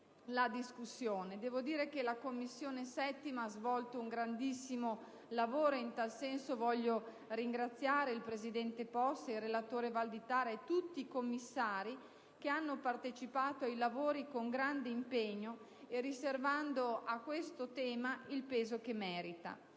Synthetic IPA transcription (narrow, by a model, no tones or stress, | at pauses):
lad̪iskusːjoːned̪ɛːvod̪iːɾek̟elakomːisːjoːnesɛt̪ːimaazvɔlt̪ouŋɡɾand̪isːimo | lavoːɾoint̪alsɛnsovɔʎːo | riŋɡɾat̪sːjaːɾeilpɾezid̪ɛnt̪epɔst̪irːelat̪oːɾevald̪it̪aːɾaet̪ːut̪ːiːkomːisːaːɾi | keanːopart̪et͡ʃipaːt̪oajlavoːɾikoŋɡɾand̪eimpeɲːo | eriservand̪oakːwest̪ot̪ɛːmailpeːzok̟emɛːɾit̪a̰